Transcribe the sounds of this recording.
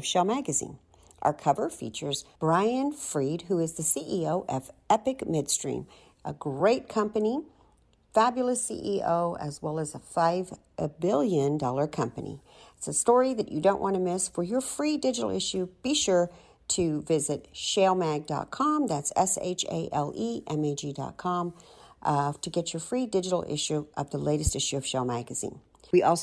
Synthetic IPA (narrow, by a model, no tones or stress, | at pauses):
v̥ʃɛlˠmæɡɨzḭ̃n | ʔə̰˞kʰʌvə˞fḭt͡ʃə˞zb̥ɹaɪɨ̃nfɹid̚ɦuɨzðɨsiʔioʊʔɛfɛpɨkmɪd̥stɹ̥ḭ̃m | ʔə̰ɡɹeɪt̚kʰʌ̃mpɨni | fæbjl̩ˠəsḭʔiʔoʊɨ̰zwɛlˠəzəfaɪv | bɪlˠjɨ̃ndɔlˠə˞kʰʌ̃mpɨnḭ | ɪtsɨstɔɹiðɨt͡ʃɨdõʊ̃nʔwʔɑ̃nɨmɪsfə˞jə˞fɹidɪd͡ʒɨɾl̩ˠɪʃʉb̥iʃʊɹ | ɾɨvɪzɨt̚ʃeɪlˠmæɡ̚dɑ̰t̚kʰɑ̃mðætsɛ̰sḛɪt͡ʃḛɪʔɛlˠiʔɛ̃meɪd͡ʒidɑ̰t̚kʰɑ̃m | tʰɨɡɛt͡ʃə˞fɹidɪd͡ʒɨɾl̩ˠɪ̰ʃʉʔʌvðəleɪɾɨstɪʃʉʌv̥ʃeɪlˠmæɡɨz̥ḭ̃n | wiʔɔlˠ